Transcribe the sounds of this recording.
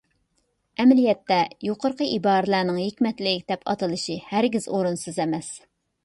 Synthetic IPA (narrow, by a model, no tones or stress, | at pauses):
ɛmlijɛt̪ːɛjoqʰoɾqəʔibɑːɾɨlænɪŋɦikʲmɛt̪lɪk̚ʲd̪̥ɛpʰɑ̰t̪ʰɨlˠɨʃihæɾɡʲizoɾunsɨzɛmɛs